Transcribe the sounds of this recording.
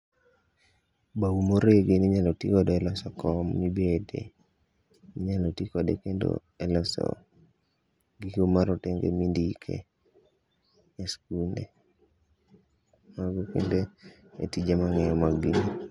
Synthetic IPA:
bawumoɾeɡeniɲalɔtikɔdɔɛlɔsɔkɔmːibedḛ | niɲalɔtikɔdekendo̰ | elɔsɔ̰ | ɡiɡomaɾɔteŋɡḛmindikʰḛ | eskunde | maɡɔkḛnde | ḛtid͡ʒemaŋɛjɔmaɡino

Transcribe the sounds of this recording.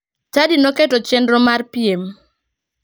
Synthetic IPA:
t͡ʃadinoketɔt͡ʃendɾɔmarpiem

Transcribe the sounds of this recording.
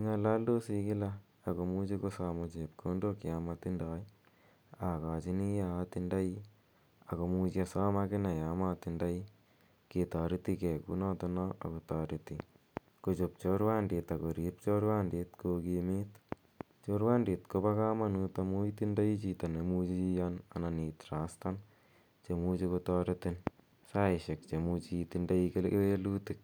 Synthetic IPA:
iŋalaldosikɪlaː | komud͡ʒikosaːmat͡ʃep̚kʰondokjamat̪indaːj | akaːt͡ʃinijat̪indaji | akomuːt͡ʃiasaːmakɪnajamat̪indaji | ket̪aːɾit̪ikekṵnat̪ɔnaa̰kot̪aɾit̪i | kot͡ʃop̚t͡ʃoɾwandit̪akoɾip̚t͡ʃoɾwandit̪kokimit̪ | t͡ʃoɾwaːndit̪kopakamanut̪amujt̪indajit͡ʃit̪anemut͡ʃiijana̰naniːt̪ɾast̪an | t͡ʃemut͡ʃikot̪aːɾɪt̪ɪn | saɪʃek̚t͡ʃemut͡ʃit̪indaikelweluːt̪ɪk̚

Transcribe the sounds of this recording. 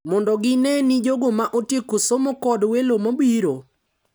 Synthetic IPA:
mɔndɔɡɪnɛnid͡ʒoɡomaʔotjekosomokɔdwelomabiɾo

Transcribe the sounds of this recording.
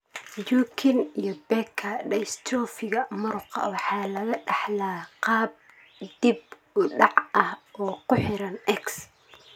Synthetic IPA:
juːkʰɪnijɞbɛkʰːɐɖɐjst̪ʰɔːfɪɣɐmʊɾʊqʰɑ̰wɑħɑːlɐɣɐɖɑħlaːqɑːb̚ | d̪̥ib | ʊɖɑʕɐhɔːkʰʊħɪɾɐnɛks

